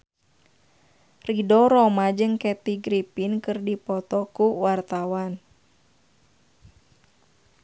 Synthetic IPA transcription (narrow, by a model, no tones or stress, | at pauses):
ridɔɾɔmad͡ʒɨŋkɛt̪iɡɾipinkɨrdipɔt̪ɔkuwart̪awan